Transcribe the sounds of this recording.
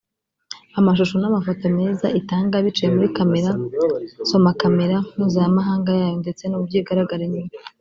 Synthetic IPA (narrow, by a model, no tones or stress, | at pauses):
amaʃ̬uʃonamafatame̞ːzaʔitaːŋɡaβit͡ʃijemuɾikame̞ɾa | so̞makame̞ɾamuːzajamaɦaːŋɡajaːjonde̞t͡se̞nubɟiːɡaɾaɡaɾeɲuːma